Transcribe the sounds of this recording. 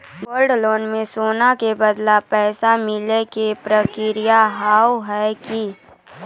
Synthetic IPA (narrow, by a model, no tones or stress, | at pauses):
ɡoːlɖloːnmẽsoːnakebəd̪lapɛːsamɪlekepɾəkɪɾɪjaɦaːwɦɛki